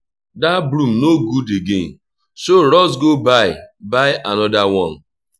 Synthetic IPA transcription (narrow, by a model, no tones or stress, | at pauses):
dabɾum̩noɡudeɡḛn̩ | soɾɔs̬ɡobaɪbaɪʔanɔdawɔ̃n